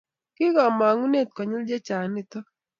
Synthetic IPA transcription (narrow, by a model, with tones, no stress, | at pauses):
kɪ˦ɡɔ˨ma˨ŋu˦ne˦˨t̪̚kɔ˨ɲɪ˦ld͡ʒe˦t͡ʃa˨nɪ˦t̪ɔ˦